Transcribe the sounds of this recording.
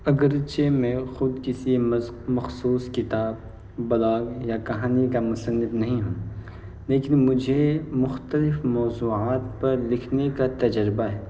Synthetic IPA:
ɐɡəɾt͡ʃemẽxʊd̪kɪsimɐxsuːskɪt̪aːbː | ɐlaːɡjakɐɦaːnikamʊsənːɪd̪nɐɦĩɦũː | leːkɪnmʊd͡ʒʱemʊxt̪əlɪfmɔːzuːaːt̪pɐɾlɪkʰnekat̪ɐd͡ʒəɾɪbaɦɛː

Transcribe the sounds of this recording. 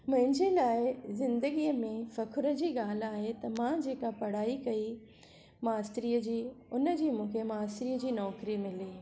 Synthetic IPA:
mɐ̃ɦɪ̃ɲd͡ʑeːlaːɪzɪ̃nd̪əɡijəmẽfɐkʰʊɾə̆d͡ʑiːɠaːl̤aːɦet̪ɐmãd͡ʑeːkapɐɽ̤aːikɐi | maːst̪ɾiːəd͡ʑiːʊnəd͡ʑiːmũːkʰemaːst̪ɾiːəd͡ʑiːnɔːkɾimɪliː

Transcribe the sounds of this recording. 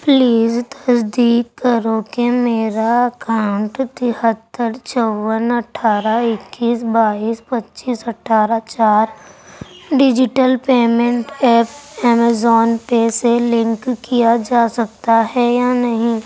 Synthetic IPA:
pliːzt̪əsd̪iːkːəɾokemeːɾaəkaʊɳʈt̪ɪhət̪ːəɾt͡ʃɔʋːənɐʈʰaːɾaɪkːiːsbaːiːspɐtːʃiːsɐʈʰːaːɾat͡ʃaːɾ | ɖɪd͡ʒɪʈəlpeːmẽɳʈɛːpɛːmezɔːnpeselɪ̃ŋkːijad͡ʒaːsɐkt̪aɦɛjanɐɦĩ

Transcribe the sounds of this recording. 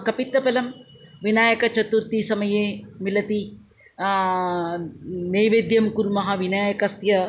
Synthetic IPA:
kɐpit̪ːɐpɐlɐmʋinaːjɐkɐt͡ʃɐt̪uɾt̪isɐmɐjeːmilɐt̪i | neːʋeːd̪jɐmkuɾmɐɦɐ̆ʋinaːjɐkɐsjɐ

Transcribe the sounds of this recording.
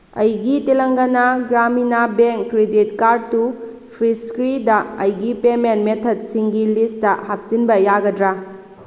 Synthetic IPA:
ɐ̰jɡitelɐŋɡɐnaɡɾaminabeŋkːɾeditkaɾd̚tu | pʰɾiskɾidɐɐjɡipementmetʰɐd̚siŋɡilistɐhap̚sinbɐjaɡɐdɾa

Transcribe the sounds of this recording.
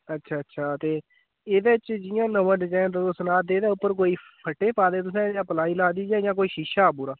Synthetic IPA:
ətːʃʰaːətːʃʰaːt̪eː | ɪd̪eɪt͡ʃd͡ʒɪjãːnəʋəɖd͡ʒãːt̪əʊsənaːd̪eːd̪aːʊpːəɾkoːiːpʰəʈːeːpaːd̪eːt̪ʊs̬ɛ̃ːjãːpəlaːiːlaːd̪iːd͡ʒãːjãːk̬oːiːʃiːʃaːbuːɾaː

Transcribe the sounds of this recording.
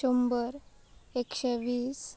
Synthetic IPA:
ombəɾ | ekɕeʋiːs

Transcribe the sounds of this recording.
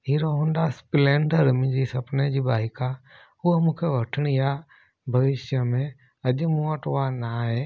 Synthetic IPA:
ɦiɾoɦõnɖ̪aspɪlẽːɳɖəɾmɪ̃d͡ʒisɐpned͡ʑibaːɦika | umũkʰeʋəʈʰəɽ̃ija | bʱɐʋɪʃjəmẽ | ɐʄmũəʈʋanaɦe

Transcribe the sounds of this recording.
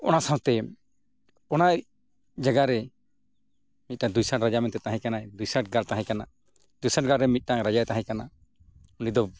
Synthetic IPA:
ɔ̰nasãw̃t̪ɛ | ɔnaj | d͡ʒaɡaɾɛ | mit̪̚ˀnãd̪ujsãʈɾad͡ʒamɛnt̪ɛt̪aɦɛ̃kanajd̪ujsãʈɡaɾt̪aɦɛ̃kana | d̪ujsãʈɡaɾɾɛmit̪̚ˀnaɾad͡ʒajt̪ãɦɛ̃kana | unid̪ɔ

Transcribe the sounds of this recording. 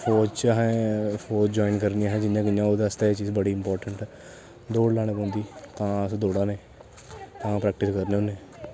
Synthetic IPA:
pʰoːd͡ʒt͡ʃɦɛ̃pʰoːd͡ʒd͡ʒɔːinkəɾnijãːɦɛ̃ːd͡ʒɪnjãːkɪjãːoːd̪eəst̪eːet͡ʃiːzbəɽiːɪmpɔːɾʈəɳʈɛː | d̪oːɽlaːɽ̃eːpõːnd̪iːt̪ãːəsd̪oːɽãːneː | t̪ãːpɾɛːk̚ʈɪskəɾnẽoːneː

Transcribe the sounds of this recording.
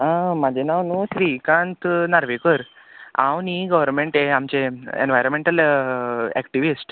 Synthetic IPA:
əmad͡ʑenawnuɕɾikãnt̪naɾʋekəɾ | ã̰wniɡəʋəɾnmeɳʈeamt͡ɕeḛnʋajɾənmeɳʈəl | ɛ̰kʈiʋisʈ

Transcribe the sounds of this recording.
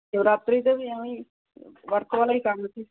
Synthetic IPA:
t̪ewɾat̪ɾiːt̪əbiːamiː | ʋəɾkʋalaɦikamət̪i

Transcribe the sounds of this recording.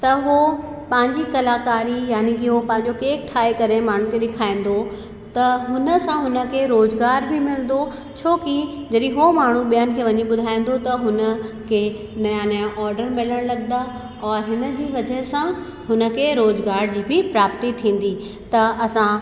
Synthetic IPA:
t̪ɐɦopɐ̃ɦɪ̃ɲd͡ʑikɐlaːkaːɾijaːnikiɦopɐ̃ɦɪ̃ɲ̆d͡ʑokeːk̚ʈʰaːikɐɾemaːɳ̤ũkʰeɗɪkʰaːĩːn̆d̪o | t̪ɐɦʊnə̆sãɦʊnə̆kʰeɾoːzɡaːɾbʱɪmɪlə̃n̆d̪o | t͡ɕʰoːkid͡ʑɐɗĩɦomaːɳ̤uɓijənɪ̆kʰeːʋɐɲiɓʊd̪ʱaːĩn̆d̪ot̪ɐɦʊnəkʰe | nɐjãnɐjãʔɔːɾɖəɾmɪləɽ̃lɐɡnd̪aː | ɔːɾɦɪnə̆d͡ʑiːʋɐd͡ʑəɦsã | ɦʊnə̆kʰeɾoːzɡaːɾd͡ʑiːbɪpɾaːpt̪it̪ʰĩːn̆d̪i | t̪ɐɐsã

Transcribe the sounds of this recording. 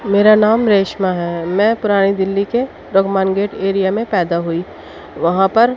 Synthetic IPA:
meːɾanaːmɾeːʃmaɦɛːmɛ̃ːpʊɾaːɽ̃id̪ɪlːike | ɾɐɡmaːnɡeːʈeːɾijamẽpɛːd̪aɦuiː | ʋɐɦãpɐɾ

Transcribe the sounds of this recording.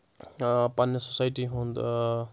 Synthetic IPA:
panːesosajʈiɦũnd̪

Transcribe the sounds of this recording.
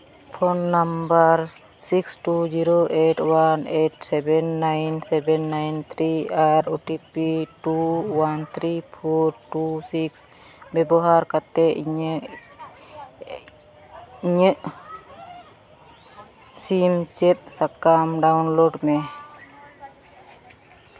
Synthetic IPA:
pʰonːambaɾ | siksʈud͡ʒiɾoʔeʈwaneʈsɛbɛnːajnsɛbɛnːajnt̪ʰɾiaɾoʈipiʈuwant̪ʰɾipʰɔɾʈusiks | bɛbɔɦaɾkat̪ɛiɲ | iɲəʔ | simt͡ʃɛt̪̚sakamɖawnloɖmɛ

